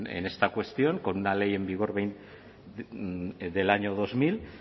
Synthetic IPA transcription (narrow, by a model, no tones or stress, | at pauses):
ḛne̞st̪akwe̞st̪io̞ŋkonunale̞je̞mbiɣ̞oɾβejn | d̪e̞laɲo̞ð̞o̞zmil